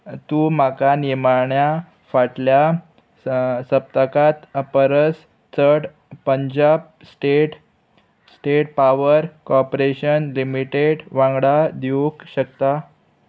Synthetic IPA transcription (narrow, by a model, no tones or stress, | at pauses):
t̪uːmakaniɾmaɳja | faʈlja | səp̚t̪əkat̪əpəɾəs | t͡səʈ | pəɲd͡ʑab | sʈeʈ | sʈeʈ̚paʋəɾkɔɾpɾeɕənlimiʈeɽʋãŋɡɽad̪jukɕəkt̪a